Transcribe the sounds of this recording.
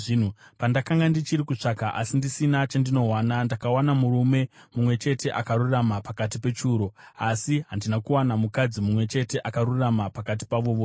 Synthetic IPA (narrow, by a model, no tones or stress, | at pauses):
ʐin̤upandakaŋɡandit͡ʃiɾikut͡ʂakaʔa̰sindisinat͡ʃandino̞ɦwanandakawanamuɾume̞mumwe̞t͡ʃe̞te̞ʔakaɾuramapakatipe̞t͡ʃuːɾo̞asiɦandinakuwanamukad͡zimumwe̞t͡ʃe̞te̞ʔakaɾuramapakat̬i̥paʋo̞ʋoː